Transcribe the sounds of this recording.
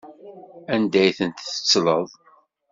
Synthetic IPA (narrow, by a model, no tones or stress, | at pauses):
ænd̪æjθənt̪ə̥t͡sːlə̰ðˤ